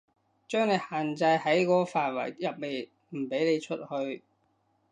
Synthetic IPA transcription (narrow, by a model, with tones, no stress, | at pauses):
t͡ʃœː˥ŋne˨˧jhaː˨˩nt͡sɐ˧jhɐ˨˥jkɔː˨˧faː˨˩nwɐ̰˨˩jjɐ˨p̚le˨j | m̩˨˩pe˨˥jne˨˧jt͡ʃʰɵ˥t̚hɵ˧ɥ